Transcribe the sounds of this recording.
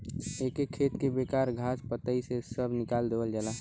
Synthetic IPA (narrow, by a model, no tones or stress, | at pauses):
ekekʰːeːt̪kebekaːɾɡʱaːspət̪əisesəbʱnɪkaːld̪eːʋəld͡ʒaːlaː